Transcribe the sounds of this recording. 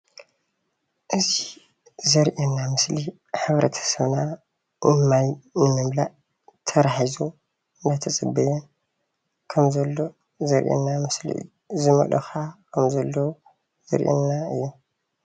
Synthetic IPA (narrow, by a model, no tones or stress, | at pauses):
ʔɨzi | zɐɾʔinamɨsli | ħɨβɾʔɐt̪ʰɐ̥sɐβna | nɨmajnɨmɨmlaʔ | t̪ʰɐɾaħizu | nɐt̪ʰɐt͡sʼɨbːɐjɛn | kʰɐmzɐlːo̞ | zɐɾʔḭnːamɨslḭɨ̰ | zɨmɐ̰lʔɐ̰xakʰɐmzɐlːɐw | z̥ɐ̰ɾʔɛ̰nːaɨjːu